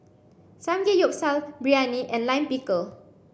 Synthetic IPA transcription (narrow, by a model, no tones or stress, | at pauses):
sãmɡejɔp̚salbɹianiʔɛ̃nlãj̃mpikəl